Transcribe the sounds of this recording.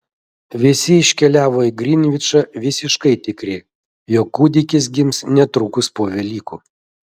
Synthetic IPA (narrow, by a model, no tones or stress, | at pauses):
ʋʲɪsʲɪɪʃʲkʲɛlʲæːʋoːiɡɾʲɪnʲʋʲɪt͡ʃɐʋʲɪsʲɪʃkɐɪt̪ʲɪkɾʲɪ | joːkːuːd̪ʲɪkʲɪs̬ɡʲɪmsnʲɛt̪ɾukʊspoɔʋʲɛlʲiːkṵː